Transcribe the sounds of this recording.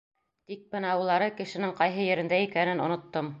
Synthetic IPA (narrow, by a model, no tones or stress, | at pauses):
t̪ik̚bɤnæwɤ̆lˠɑɾɤkɘ̆ʃɘ̆nɘŋqɑjɦɤjɘ̆ɾɘ̆nd̪æikænɘnŏnŏt̪ːom